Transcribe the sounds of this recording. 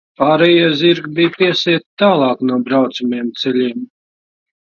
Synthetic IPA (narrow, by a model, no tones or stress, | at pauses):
paːɾɛjaziɾɡbijpiɛsiɛt̪t̪ːaːlˠɑːknuɔbɾawt̪sumiɛmt̪sɛlʲiɛm